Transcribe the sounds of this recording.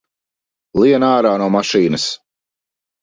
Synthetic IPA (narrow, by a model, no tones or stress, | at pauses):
lˠiɛnaːɾaːnuɔmaʃiːnɨs